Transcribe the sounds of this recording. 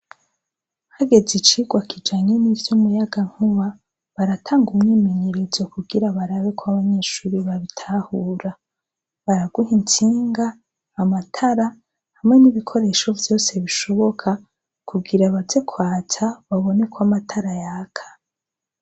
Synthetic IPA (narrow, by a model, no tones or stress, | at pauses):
haɡe̞zit͡ʃiɡwakʰid͡ʒaːɲenivjomujaɡaŋ̥uβa | βaɾatʰaːŋɡumŋiːme̞ɲe̞ɾe̞zokuɡiɾaβaɾaβe̞kwaβaɲe̞ːʃuːɾiβaβitʰahuːɾa | βaɾaɡuhintiːŋɡaː | matʰaɾa | hamŋe̞niβikʰo̞ɾe̞ʃo̞vjo̞ːse̞βiʃo̞βo̞kʰa | kʰuɡiɾaβaze̞kʰwaːt͡saβaβo̞ne̞kwamatʰaɾajaːkʰḁ